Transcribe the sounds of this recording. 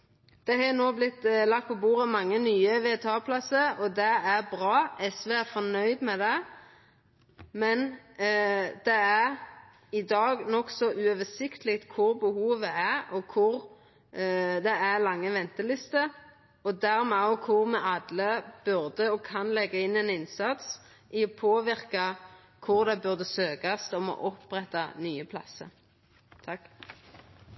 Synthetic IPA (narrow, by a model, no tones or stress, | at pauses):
d̪̥ɛhɑnoːblɪt̪ːlɑk̚t̪̚pʰɔbuːʁəmɑŋːənyːəʋeːt̪ʰɑːpʰlɑsəɾɔd̪ɛæɾbɾɑːʔɛsʋɛːæfɔnœʏd̪mɛd̪ɛ | mɛn | d̪̥ɛæɾ | ɪd̪ɑːɡnɔksɔʔʉøʋəsɪkt̪əlɪkt̪kʰʊɾbəhuːʋəæɾɔkʰʊɾ | d̪ɛæʁlɑŋːəʋɛnt̪əlɪst̪ə | ɔd̪æɾmɛːɔkʰʊʁmɛɑd̪ləb̥ʉʁd̪əɔkʰɑnlɛɡːəɪnːɛnɪnsɑt̪s | ʔɪɔpʰoːʋɪʁkɑ | kʰʊʁd̪ɛbʉʁd̪əsøːɡɑst̪ɔmɔ̰ʔɔpʁɛt̪ːɑ̰nyːəpʰlɑ̰sə̰ɾ | t̪ʰɑkː